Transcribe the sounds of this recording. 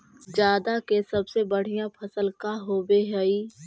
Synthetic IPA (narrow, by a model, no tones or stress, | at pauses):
d͡ʒjaːd̪akesɐbsebəɽ̤ijãpʰɐsəlkaɦoːbeɦɛi